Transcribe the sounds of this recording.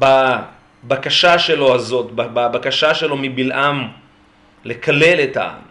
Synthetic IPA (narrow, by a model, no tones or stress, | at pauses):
ba | bakaʃaʃe̞lo̞azo̞t̪bababakaʃaʃe̞lo̞mibilʔam | lekale̞leta̰a̰m